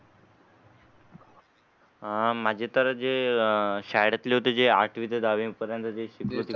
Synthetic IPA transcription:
mad͡ʑʱet̪əɾəd͡ze | ɕajɽat̪leɦot̪ed͡zeaʈʰiʋit̪ed̪ʱaʋĩpəɾjant̪əd͡zeɕikɾut̪i

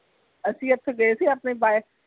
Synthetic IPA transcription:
əsĩːət̪ʰːɡəesiapneːbaːe

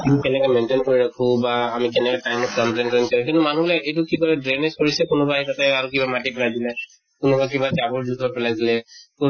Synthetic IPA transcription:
amikɛnɛkɛmɛntenkoɹiɹakʰũbaːmikɛnɛkɛtajmɔtkamtentɹenkɔɹĩk̬intʊmanublaejtʊkikɔɹɛdɹenezkoɹisɛkʊnʊbaɦitatɛaɹukibamatipɛlajdilɛ | kʊnʊbakibasabɔɹzudʱɔpɛlajsilɛku

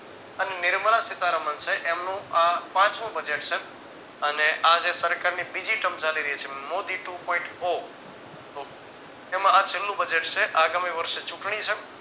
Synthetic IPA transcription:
ənenɪɾməɭasɪt̪aɾəmənt͡ʃʰeʔemnũapãt͡ʃnũbəd͡ʒeʈt͡ʃʰe | əneʔad͡ʒesəɾkaɾnibid͡ʒiʈəmt͡ʃaliɾəɦit͡ʃʰemod̪iʈupõĩɳʈo | t̪o | emãat͡ʃʰelːũbəd͡ʒeʈt͡ʃʰeʔaɡamiʋəɾʃet͡ʃũʈɳ̃it͡ʃʰe

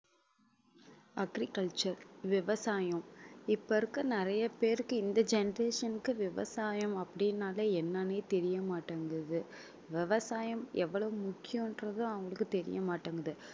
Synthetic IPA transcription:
ɐɡɾikɐɭt͡ʃɐɾʋɪʋɐsaːjɐ̃mɪpːɐɾɯkːɯnɪɾɐjɐpeːɾɯkːɯɪnd̪ɐd͡ʒɛnɐɾeːʂɐnɯkːɯʋɪʋɐ̰saːjɐmɐpːɐɽɪnaːlɐɛnːaneːt̪ɛɾɪjɐmaːʈːaːŋɡɐðɯ | ʋɪʋɐsaːjɐmʔɛʋːɐɭɐʋɯmʊkːɪjõmɛndrɐðʊ̃ɐŋɡɐɭɯkːɯt̪ɛɾɪ̰jɐmaːʈːaːŋɡɐðɯ

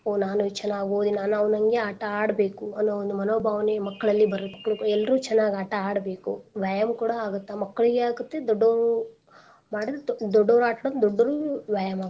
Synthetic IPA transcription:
oːnaːnut͡ʃɛnːaːɡioːd̪inaːnɐʋɐnɐŋɡe̞aːʈɐaːɽɐbe̞ːkuɐnːoond̪umɐnoːbʱaːʋɐnemɐkːɐɭɐlːibɐɾɐɐkːɐɭkɛlːɐɾuːt͡ʃɛnːaːɡiaːʈɐaːɽɐbe̞ːkuʋjaːjɐmkuːɽɐaːɡut̪ːamɐkːɐɭiɡeaːɡut̪ːe̞d̪ɔɖːoːɾu | maːɽid̪ɾed̪ɔɖːoːɾaːʈɐɽɐnd̪ɔɖːɐɾuʋaːjɐmaːɡ

